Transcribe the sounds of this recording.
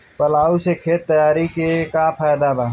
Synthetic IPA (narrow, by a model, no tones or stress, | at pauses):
pəlaːusekʰeːt̪ːəjaːɾikekapʰaːjd̪abaɦ